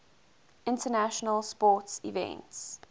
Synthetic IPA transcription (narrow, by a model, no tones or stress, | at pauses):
ɪ̃ntənæʃənəlspɔtsḭvɛ̰̃nts